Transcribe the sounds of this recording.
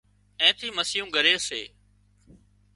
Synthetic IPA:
ẽːt̪ʰiːməsɪjũːɡəɾeːsḛː

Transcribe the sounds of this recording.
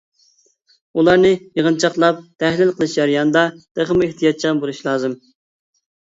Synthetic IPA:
ulˠɑɾnɨjəʁənt͡ʃʰɑqlˠɑp̚t̪ʰæhlɪlˠqʰəlˠɨʃjɑɾjɑnɨd̪ɑd̪̥eχəmeht̪ʰijɑt̪̚t͡ʃʰɑnbolˠuʃlˠɑːzɨm

